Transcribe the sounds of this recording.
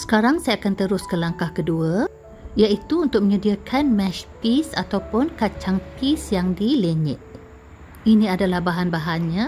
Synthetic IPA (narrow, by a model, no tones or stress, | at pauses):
sə̥kaɾaŋsajaːkant̪əɾʊskəlaŋkahkədua | ijaʔit̪uːnt̪ʊk̚məɲədiakʰanmɛ̃ʃpisa̰t̪awpʊnkat͡ʃaŋpisjaŋdileɲɪ̰ʔ̚ | inĩadalahbaɦanbaɦanɲã